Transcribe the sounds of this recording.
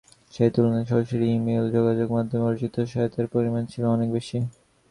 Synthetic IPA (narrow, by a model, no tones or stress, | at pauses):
ʃejt̪ulonaʃɔɾʃoɾimeld͡ʑoɡad͡ʑoɡmad̪ʱomeɔɾd͡ʑit̪ːoʃaot̪eɾpoɾimant͡ɕʰiloɔnekbeʃi